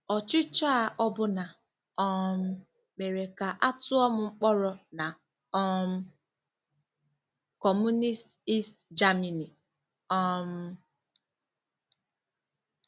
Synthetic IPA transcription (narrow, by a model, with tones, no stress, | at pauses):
ɔ˨t͡ʃɪ˦t͡ʃa˦a˦˨ʔɔ˦bʊ˦na˨ | ɔ˦m̩˦ | me˨ɾe˨ka˨ʔa˦tʊ˦ɔ˦mʊ˦ŋ͡m̩˦k͡pɔ˦ɾɔ˨na˨ | ɔ˦m̩˦ | kɔ˨mu˦ni˦sti˦std͡ʒa˦mi˨ni˨ | ɔ˦m̩˦